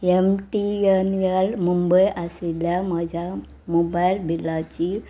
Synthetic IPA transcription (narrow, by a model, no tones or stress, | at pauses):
emʈiənijəlmumbəjʔasiljaməd͡ʑʱja | mobajlbʱilat͡ɕi